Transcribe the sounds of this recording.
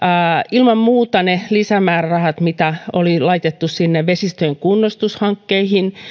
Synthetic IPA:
ilmɑmmuːt̪ɑnelisæmæːrrɑhɑt̪mit̪æo̰lilɑit̪et̪ːussinːeʋʋesist̪øeŋkunːost̪ushɑŋkːeihin

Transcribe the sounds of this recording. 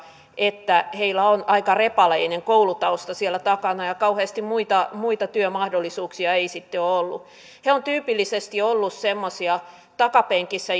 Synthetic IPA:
ʔet̪ːæheilæonɑikɑrepɑleineŋkoulut̪ɑost̪ɑsielːæt̪ɑkɑnɑjɑkɑuheːst̪immuit̪ɑmuit̪ɑt̪yømɑhdolːisuːksiɑeisit̪ːeoolːṵ | heont̪yːpilːisest̪iolːussemːosiɑ | t̪ɑkɑpeŋkisːæ

